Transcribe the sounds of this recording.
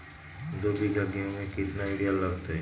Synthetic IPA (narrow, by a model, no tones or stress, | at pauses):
d̪oːbʱiɡʱɐɡijõmẽkɪt̪naɪɽijalɐɡt̪ɦɛ